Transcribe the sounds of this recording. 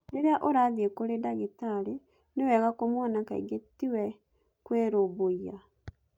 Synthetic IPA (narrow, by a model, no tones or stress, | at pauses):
neɾeaʔoɾaðiekoɾedaɣetaɾe | newɛɣakomwɔnaka̰ḭɡetiwɛ | kweɾoboia